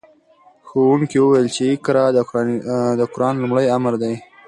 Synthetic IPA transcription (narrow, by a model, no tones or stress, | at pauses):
xowuŋkiwəwajəlt͡ʃekɾɑ | d̪əkʊɾɑnlʊmɽəjamɾd̪aj